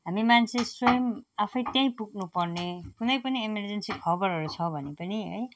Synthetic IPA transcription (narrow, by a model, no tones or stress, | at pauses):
ɦamimant͡sʰẽsojʌmapʰʌjt̪jaj̃puɡ̚nupʌrnekunʌjpʌniemerd͡zensikʰʌbʌɾɦʌɾut͡sʰʌbʱʌnepʌniɦʌ̰j